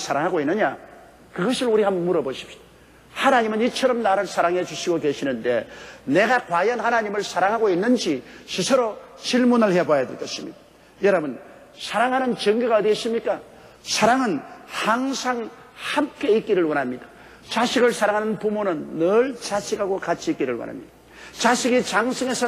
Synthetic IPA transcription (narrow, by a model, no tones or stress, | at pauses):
sʰaɾaŋɦaɡoinːɯɲa | kɯɡʌsʰɯɾuɾihammuɾʌboɕʰi̥p̚ɕ͈i̥d̥ḁ | hanaɲimɯnit͡ɕʰʌɾʌmnaɾɯɭsʰaɾaŋɦe̞d͡ʑuɕʰiɡoke̞ɕʰinɯnde̞ne̞ɡakwajʌnhanaɲimɯɭsʰaɾaŋɦaɡoinːɯnd͡ʑiɕisʰɯɾot͡ɕiɭmunɯɭhe̞bajadweɭk͈ʌɕʰimɲḭda | jʌɾʌbɯn | sʰaɾaŋɦanɯnt͡ɕʌŋɡuɡadweɕʰimɲik͈a | sʰaɾaŋɯnhaŋsʰaŋ | hamk͈e̞ik͈iɾɯɭwʌnɦamɲida | t͡ɕaɕʰiɡɯɭsʰaɾaŋɦanɯnpumonɯnːʌɭt͡ɕaɕʰiɡaɡokat͡ɕʰiːk͈iɾɯɭwʌ̰nɦa̰mɲid̥a | t͡ɕaɕʰiɡit͡ɕaŋsʰɯŋe̞sʰʌ